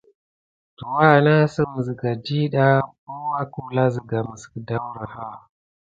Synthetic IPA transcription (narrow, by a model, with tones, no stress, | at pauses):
to˨wa˦˨na˦sə˦m˨zi˨ɡa˨di˦ɗa˦ko˦wa˦ku˦la˦zi˨ɡa˨mə˨skda˦wɾa˨ha˦